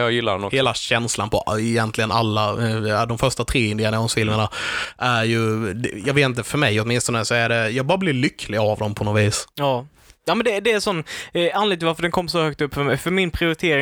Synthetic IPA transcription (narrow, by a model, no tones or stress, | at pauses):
jɑjɪlːa̰nɔheːlaɕɛnslanpʰɔɪjɛnt̪lɪɡənalːad̪ɔmfœʂʈat̪ʰɾeːɪnd̪ɪanaɔnsfɪlməɳaʔæɾjɵd̪jɑːɡveːt̪ɪnt̪əfœɾmɛjɔt̪mɪnst̪ɔnəsɔæɖɛjɑːɡ̚bɑːɾablɪɾɭʏkʰːlɪɡavd̪ɔmpʰɔnɔviːsɑː | jaːmɛnd̪ɛd̪ɛːsɔnːanlɪɡ̪t̪vaɾfœɖɛnkʰɔmːʂɔhœk̚t̪ɵpːfœmɛjfœɾmɪnpʰɾɪʊɾɪt̪ʰeːɾɪ